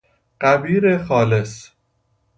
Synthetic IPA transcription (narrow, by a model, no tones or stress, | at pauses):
ɢæbiːɾexɒːles